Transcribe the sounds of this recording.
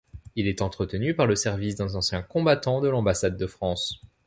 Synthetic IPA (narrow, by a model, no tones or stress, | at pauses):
ilɛt̪ɑ̃t̪χət̪ənypaʁləsɛʁvisd̪ɛ̃zɑ̃sjɛ̃kɔ̃bat̪ɑ̃d̪əlɑ̃basad̪ːəfχɑ̃s